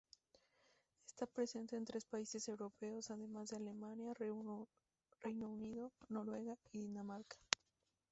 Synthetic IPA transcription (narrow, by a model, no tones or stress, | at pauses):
est̪apɾe̞se̞nt̪e̞ːnt̪ɾespaise̞se̞wɾo̞pe̞o̞saðe̞mazðe̞ale̞manja | rejno̞uniðo̞no̞ɾwe̞ɣaiðinamaɾkḁ